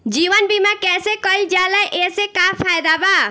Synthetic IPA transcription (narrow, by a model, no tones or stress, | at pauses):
d͡ʒiːʋənbimakɛːsekɔild͡ʒaːlaʔesekapʰaːjd̪abaː